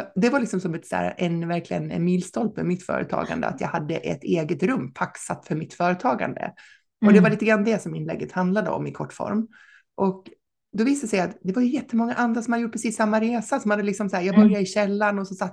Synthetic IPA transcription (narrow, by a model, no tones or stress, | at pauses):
d̪ɛvaɾlɪksɔmsɔmɛt̪sæ̰ːɾa̰ʔɛnvæɾklɪɡə̰n̰miːlst̪ɔlpə̰mɪt̪fœ̰ːɾə̰t̪ʰɑ̰ːɡa̰nd̪ə̰a̰t̪jɑ̰ɡhad̪ːə̰ʔɛ̰t̪eːɡət̪ɾɵmːpʰaksat̪fœɾmɪt̪fœːɾət̪ʰɑːɡa̰nd̪ə̰ | ɔd̪ɛvaɾɭiːt̪əɡɾanad̪ɛsɔmɪnlɛ̰ɡːət̪hand̪lad̪ə̰ɔ̰mɪkʰɔʈːfɔ̰ɾm | ʔɔk | d̪ɔviːsd̪sɛjat̪d̪ɛvaɾjɵjɛt̪ʰːəmɔŋːaʔand̪ɾasɔmhad̪jʊʈ̚pʰɾɛsiːsːamːaɾeːsasɔmhad̪ːəlɪksɔmsæːɾjɑːɡbœɾjad̪ɪɕɛlːanɔsɔsat̪ː